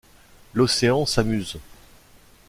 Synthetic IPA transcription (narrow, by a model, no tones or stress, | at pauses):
lɔseɑ̃samyz